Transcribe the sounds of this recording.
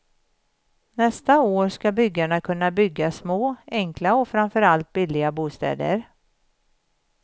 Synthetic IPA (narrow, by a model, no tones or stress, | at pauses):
nɛst̪aoːɾskabʏɡːaɳakʰɵnːabʏɡːasmoːɛŋkʰlaɔfɾamfœɾalt̪̚bɪlːɪɡabuːst̪ɛ̰ːd̪ə̰ɾ